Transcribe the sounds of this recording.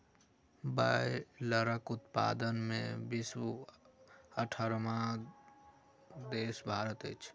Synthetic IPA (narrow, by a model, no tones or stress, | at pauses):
baeləɾəkʊt̪pa̰ːd̪ənmḛ̃bis | əʈʰəɾmã | d̪eːsbʱaːɾət̪ḛt͡ʃʰ